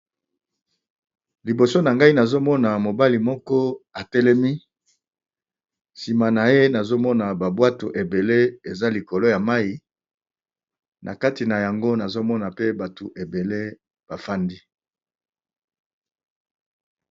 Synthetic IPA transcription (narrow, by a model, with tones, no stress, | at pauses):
li˨bo˨so˦na˨ŋɡa˦i˦na˨zo˦mɔ˦na˨mo˨ba˦li˨mɔ˦kɔ˦a˨tɛ˦lɛ˦mi˦ | si˨ma˨na˨je˦na˨zo˦mɔ˦na˨ba˨bwa˦to˨ʔe˨be˨le˦e˨za˦li˨ko˨lo˦ja˨ma˦i˦ | nʔa̰˨ka˦ti˨na˨ja˨ŋɡo˦na˨zo˦mɔ˦na˨pe˦ba˨to˨ʔe˨be˨le˦ | b̥a˨fa˦ndi˦